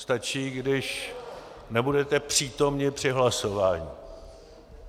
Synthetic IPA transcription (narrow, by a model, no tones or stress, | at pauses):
st̪at͡ʃiːɡdɪʃ | nɛbudɛt̪ɛpr̝̥iːt̪o̞mɲɪpr̥ɪɦlaso̞vaːɲi